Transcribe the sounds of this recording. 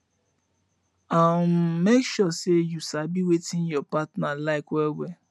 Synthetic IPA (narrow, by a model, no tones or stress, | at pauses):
ammekʃɔsejusabiwetɪ̃njɔpatnalaɪkwɛlwɛ